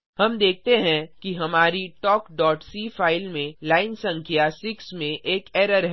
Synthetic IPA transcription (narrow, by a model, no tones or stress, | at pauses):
hɐmd̪eːk̚ʰt̪eɦɛ̃kiɦɐmaːɾiʈɔːkɖɔːʈsiːfaːɪlmẽlaːɪnsɐ̃ŋkʰjasɪksmẽʔeːkɛːɾəɾɦɛ